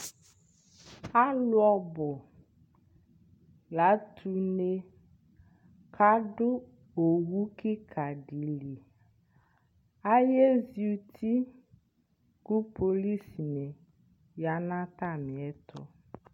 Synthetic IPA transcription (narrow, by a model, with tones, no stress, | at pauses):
a˦lʊ˦ɔ˦bɔ˨ | la˨˦t̪ʰu˨ne˦ | kʰa˦ɖʊ˦ | o˨wu˦ki˦kʰa˨ɖi˨li˨ | a˦je˦zi˨˦u˨t̪ʰi˦ | ku˦po˨li˦si˨ne˨ | ja˨˦nã˦t̪a˦˨mĩ˨ɛ˦t̪ʰɔ̰˦